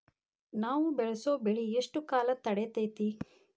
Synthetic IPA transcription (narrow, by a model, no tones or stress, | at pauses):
naːʋubɛɭɐsoːbeɭieʂʈukaːlɐt̪ɐɽet̪ejt̪i